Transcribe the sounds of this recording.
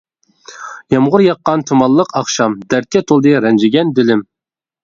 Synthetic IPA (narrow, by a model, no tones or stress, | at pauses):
jɑmʁʊɾjɑqːɑnt̪ʰumɑlˠːəqʰɑχʃɑmd̪æɾ̚kʲʰːɛt̪ʰolˠd̪ɨɾɛnd͡ʒɪɡʲɛnd̪ɪlɪm